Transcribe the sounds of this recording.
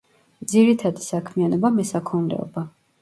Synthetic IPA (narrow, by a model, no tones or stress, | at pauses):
d̪ziɾit̪ʰad̪isakʰmianɔbamɛsakʰɔnlɛ̰ɔ̰ba